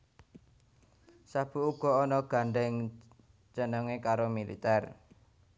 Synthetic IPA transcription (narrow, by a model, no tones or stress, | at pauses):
sab̥ṳuɡ̥ɔ̤ɔnɔɡ̥a̤ɳɖɛŋ | t͡ʃənəŋekaɾomilḭt̪ɛr